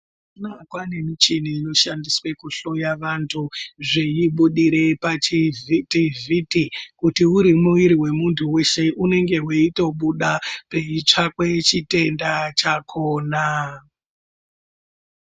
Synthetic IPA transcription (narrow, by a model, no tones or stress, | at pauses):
nakwane̞mit͡ʃiniːno̞ʃandiswe̞kuɬo̞jaʋantʰuʐejiɓuɗiɾe̞pat͡ʃivitivʱitikutiuɾimuwiɾiwe̞muntʰuwe̞ʃe̞ʔune̞ŋɡe̞weito̞ɓuɗape̞it͡ʂakwet͡ʃite̞ndat͡ʃakʰoːna